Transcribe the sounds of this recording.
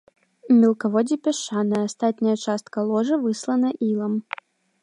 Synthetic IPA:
mʲɛlˠkɐvɔd͡zʲipʲɛʂanɐjɐːst̪at̪ʲnʲɐjɐt͡ʂast̪kɐlˠɔʐɐvɨslˠɐnɐʔilˠɐm

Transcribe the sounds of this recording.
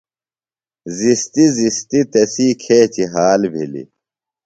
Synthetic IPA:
zist̪izist̪it̪ɐsiːkʰeːt͡ɕiɦaːlbʱḭlḭ

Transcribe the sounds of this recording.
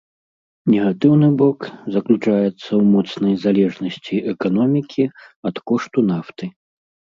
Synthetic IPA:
nʲɛɣat̪ɨwnɨbɔkzɐklʲut͡ʂajɛt̪sːɐwmɔt̪snɐjzalʲɛʐnɐsʲt͡sʲiʔɛkanɔmʲikʲʰiɐt̪kɔʂt̪unaft̪ɨ

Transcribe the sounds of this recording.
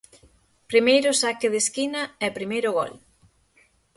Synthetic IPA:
pɾimejɾʊsakɪðeskinɐɛpɾimejɾʊɣɔ̰l

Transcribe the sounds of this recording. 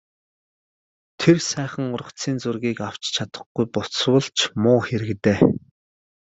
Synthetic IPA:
t̪ʰersæːχə̆ŋʊrə̆kt͡siːnt͡surɣiːkaw̥t͡ɕt͡ɕʰat̪ə̥̆χɡujpʊswə̆ɮt͡ɕʰmʊːxeɾɘ̆kt̪eː

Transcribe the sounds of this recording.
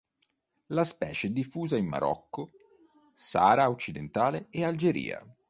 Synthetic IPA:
laspɛːt͡ʃed̪ifuːzaimːa̰ɾɔ̰kːo | sa̰ːɾaot͡ʃːid̪ent̪aːleːald͡ʒeɾḭːa̰

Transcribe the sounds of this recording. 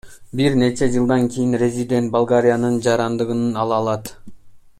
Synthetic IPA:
biɾne̞t͡ʃe̞d͡ʒɯlˠd̪ɑŋkʰʲijinrʲe̞zʲid̪ʲe̞nt̪̚balˠɡaɾʲijanɯnd͡ʒɑɾɑnd̪ɯʁɯnɯnɑlˠɑlˠɑt̪

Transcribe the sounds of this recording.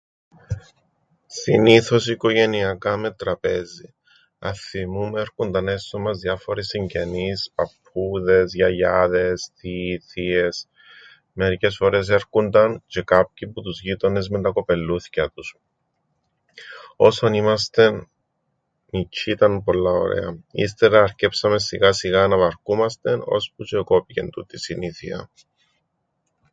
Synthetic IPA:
siniθo̞siko̞ʝe̞niɐkɐmet̪ɾɐpezi | ɐ̰θimumeɾkund̪ɐne̞st̪omɐzðjɐfo̞ɾisiɲɟe̞nispɐpː | uðe̞zʝɐʝɐðe̞sθiθie̞s | me̞ɾice̞sfo̞ɾe̞s̬e̞ɾkund̪ɐnce̞kap̚çiput̪uzʝit̪o̞ne̞zment̪ɐko̞pe̞lːuθi̥cɐt̪us | o̞sonimɐs̬t̪e̞nː | icʰit̪ɐnpo̞lːɐo̰ɾḛɐ̰ḭst̪e̞ɾɐːɾce̞psɐmesiɣɐsiɣɐnɐvɐɾkumɐst̪eno̞̰sput͡ʃeko̞pice̞̰nt̪ut̪isiniθḭɐ̰

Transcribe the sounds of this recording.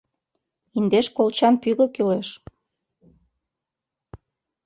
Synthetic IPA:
ind̪eʃkolt͡ɕɑnpyɣə̆kyleʃ

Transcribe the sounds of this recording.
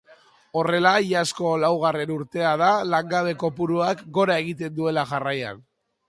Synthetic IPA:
o̞re̞laiasko̞lawɣ̞are̞nuɾt̪e̞að̞alaŋɡaβ̞e̞ko̞puɾuakɡo̞ɾae̞ɣ̞it̪e̞nd̪ue̞laʝaraja̰n

